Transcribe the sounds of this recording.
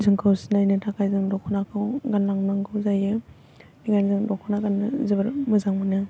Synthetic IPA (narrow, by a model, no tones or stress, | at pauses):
zɯŋkʰɯwsinajnɯtʰakʰajzɯŋdɔkʰunakʰɯwɡanlaŋnaŋɡʰɯwzajɯ | miɡanzɯŋdɔkʰonaɡanɯzɯbɯɾmɯzaŋmɯnɯ